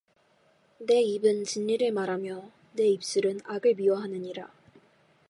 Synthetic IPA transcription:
ne̞ibɯnt͡ɕinːiɾɯɭmaɾamjʌ | ne̞ip̚s͈ɯɾɯnaɡɯɭmiwʌɦanɯɲiɾa

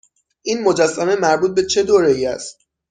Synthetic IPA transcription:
ʔiːnmo̞d͡ʒæsːæme̞mæɾbuːt̪̚be̞t͡ʃʰe̞d̪oːɾejiæ̰st̪̚

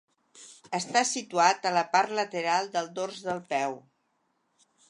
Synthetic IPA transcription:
əst̪asit̪uat̪ələpaɾt̪lət̪əɾalˠd̪əlˠd̪orzðəlˠpɛw

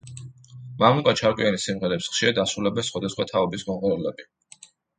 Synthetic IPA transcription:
mamukʼat͡ʃʰaɾkʼwianisimʁɛɾɛpsχʃiad̪asɾulɛbɛnsχwad̪asχwat̪ʰaɔbisɡɔnqʼɛulɛbi

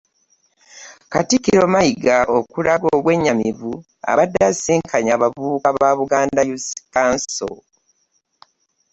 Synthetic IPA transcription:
katikiɾo̞majiɡaʔokulaɡo̞ːβwe̞ɲːamivu | a̰βadːasiːŋkʰaɲaβavuːkaβaːβuɡaːndajuskanso̰

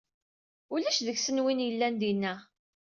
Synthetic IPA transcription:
ulæʃðəçsənwinjəlːænd̪inːæ

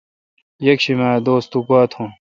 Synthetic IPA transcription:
jɐkɕimaːd̪oːst̪ukaːt̪ʰũ

